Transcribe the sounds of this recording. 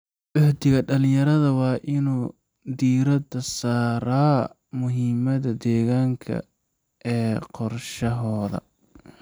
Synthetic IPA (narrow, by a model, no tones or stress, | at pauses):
ʔɔħt̪ɪɣɐɖɐlɪ̃jɐɾɐðɐwɑːʔɪnuː | d̪iːɾɐd̪ɐsaːɾɐː | mʊɦimɐðɐd̪ɛːɣaːŋkʰɐ̰ | ʔɛːqɔrʃɐɦɔːðɐ̰